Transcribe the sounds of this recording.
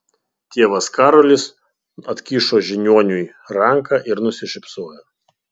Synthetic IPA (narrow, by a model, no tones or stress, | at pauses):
t̪ʲeɛʋɐskɑːɾɔlʲɪs | ɐt̪ʲkʲiːʃoːʒʲɪnʲuɔnʲʊj | ɾɐŋkɑːʔɪɾnʊsʲɪʃʲɪpsoːjoː